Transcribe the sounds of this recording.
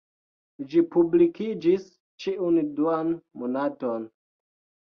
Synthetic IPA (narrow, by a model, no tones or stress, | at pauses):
d͡ʒipublikid͡ʒis | t͡ʃiunduanmonaton